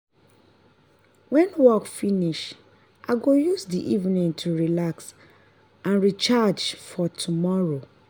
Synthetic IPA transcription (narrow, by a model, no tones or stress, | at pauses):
wɛ̃nwɔkfiniʃ | ʔaɡojusdiʔivnĩŋtʰuɹilaks | ʔãnɹit͡ʃad͡ʒfɔtʰumɔɹo